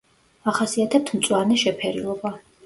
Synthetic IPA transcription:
aχasiat̪ʰɛp̚t̪ʰmt̪sʼwaɾnɛʃɛpʰɛɾḭlˠɔba

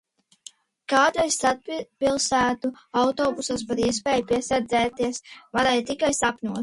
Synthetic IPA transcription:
kaːd̪ɾajst̪at̪̚pilˠsæːt̪uawt̪ɔːbusaspaɾiɛspɛːjupʲiɛsɛɾd̪zɛːt̪iɛsvaɾɛjt̪ikajsapnʲuɔt̪

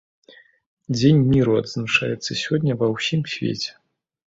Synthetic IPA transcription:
d͡zʲenʲmʲiɾuɐd̪znaʂa̰jɛt̪sːɐsʲɔdʲnʲɐvɐwsʲimsʲvʲḛt͡sʲɛ̥

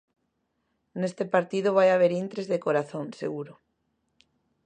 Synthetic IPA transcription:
nest̪epaɾt̪iðʊβajaβ̞eɾint̪ɾezðekoɾaθoŋsḛɣuɾʊ

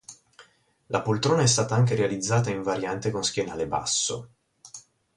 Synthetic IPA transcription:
lapolt̪ɾoːnaɛst̪aːt̪aaŋk̬eɾealid̪zːaːt̪aiɱvaɾjant̪ekonsk̟jenaːleba̰sːo̰

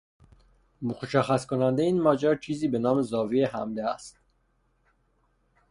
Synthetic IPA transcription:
mokʰoʃæxːæskʰonænd̪eiːnmɒːd͡ʒæɾt͡ʃʰiːziːbe̞nɒːmezɒːvieɦæmd̪eæst̪̚

